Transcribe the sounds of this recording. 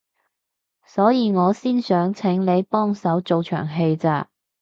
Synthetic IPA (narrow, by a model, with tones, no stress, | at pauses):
sɔː˨˥jiː˨˧ŋɔː˨˧siː˥nsœː˨˥ŋt͡sʰɪ˨˥ŋle˨˧jpɔː˥ŋsɐ˨˥wt͡so˨wt͡ʃʰœ̰ː˨˩ŋɦe˧jt͡sa̰ː˧